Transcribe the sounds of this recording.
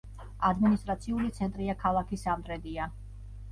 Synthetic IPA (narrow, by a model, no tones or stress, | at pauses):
ad̪minist̪ʼɾat̪sʰiulit̪sʰɛnt̪ʼɾiakʰalˠakʰisamd̪ʼɾɛd̪ia